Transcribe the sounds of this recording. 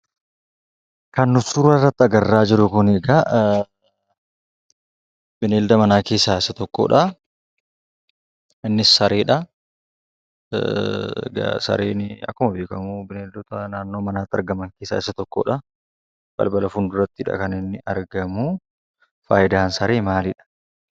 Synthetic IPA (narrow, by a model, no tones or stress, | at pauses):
kɐnːʊsuɾɐrːɐt̪ːɪɐɡɐrːaːd͡ʒɪɾʊkʊnɛɡɐ | bɪneːld̪ɐmɐnaːke̞ːsːaːɪsːɐt̪ɔkːo̰ːᶑɐ | ɪnːɪsːɐɾeːᶑɐ | ɡɐ̰sɐ̰ɾḛːnɪɐ̰kːʊmɐbeːkɐmubɪneːld̪ʊt̪ɐnaːnːo̞ːmɐnaːt̪ːɪɐ̰ɾɡɐmɐŋkeːsːa̰ːɪsɐt̪ɔkːo̰ːᶑɐ | b̥ɐ̰lbɐlɐfʊnd̪ʊɾɐt̪ːɪᶑɐ̰kɐnɪnːɪʔɐɾɡɐmu | fa̰ːʔɪd̪aːnsɐɾeːmaːlɪᶑɐ̥